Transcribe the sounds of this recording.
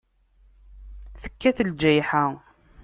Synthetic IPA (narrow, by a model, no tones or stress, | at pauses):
θə̥kːæθəld͡ʒæjħa